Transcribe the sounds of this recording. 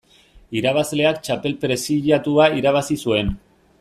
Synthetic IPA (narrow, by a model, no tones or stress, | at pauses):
iɾaβ̞azle̞akt͡ʃape̞lpɾe̞siʎat̪uaiɾaβ̞asisue̞n